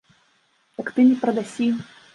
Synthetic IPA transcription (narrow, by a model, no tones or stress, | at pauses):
jakt̪ɨnʲipɾɐd̪asʲi